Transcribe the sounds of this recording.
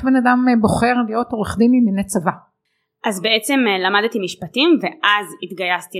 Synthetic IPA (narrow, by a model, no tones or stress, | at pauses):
be̞nadambo̞χe̞ʁlijo̞toʁeχdimiminet͡sava | ʔazbeet͡se̞mlamadt̪imiʃpatimveʔʔazit̪ɡajast̪i